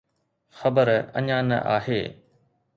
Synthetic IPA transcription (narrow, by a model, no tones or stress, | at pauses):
xɐbəɾɐ̰ɲãːnɐ̰ʔa̰ːɦeː